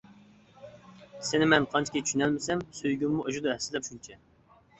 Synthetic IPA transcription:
sɪnɪmɛnqʰɑnt͡ʃʰkʲet͡ʃʰy̥ʃynɛlmɪsɛmsøjɡʲymmuʔoʒud̪ɑɦɛsːɪlɛpʃunt͡ʃʰɛ

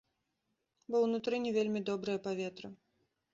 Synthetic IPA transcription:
bɔwnut̪ɾɨnʲɛvʲelʲmʲid̪ɔbɾɨjɐpavʲɛt̪ɾɨ

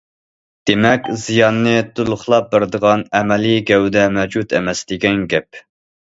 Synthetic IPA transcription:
d̪̥emɛkʲzijɑnːɨt̪ʰulˠʊχlˠɑp̚bɪɾd̪əʁɑnɛmɛliɡʲɛwd̪ɛmɛd͡ʒut̪ʰḛmɛsd̪̥ɪɡʲɛnɡʲɛp̚

